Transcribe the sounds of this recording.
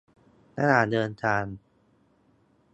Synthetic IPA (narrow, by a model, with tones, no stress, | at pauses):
na˧˥naː˨˩dɤː˧nt̪ʰaː˧n